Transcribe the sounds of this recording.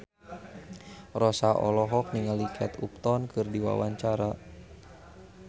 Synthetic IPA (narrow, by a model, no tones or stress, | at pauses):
rɔsaʔɔlɔɦɔk̚niŋalikʰɛt̪up̚t̪ɔnkʰɨrdiwa̰wa̰ɲt͡ʃaɾa